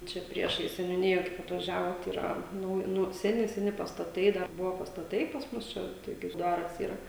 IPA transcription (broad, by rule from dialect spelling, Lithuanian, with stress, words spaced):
ˈt͡ʃʲɛ ˈpʲrʲiɛʃɐɪs sʲɛnʲʊˈnʲɪjɛ ˈkɐɪp ɐtʋɐˈʒʲæːʋoːt iːˈrɐ ˈnʊ ˈnʊ sʲɛˈnʲɪ sʲɛˈnʲɪ pɐstɐˈtɐɪ ˈdɐr ˈbʊʋoː pɐstɐˈtɐɪ pɐs ˈmʊs t͡ʃʲɛ ˈtoːkʲɪ ɪr ˈdɐr ʋʲɪs ˈiːrɐ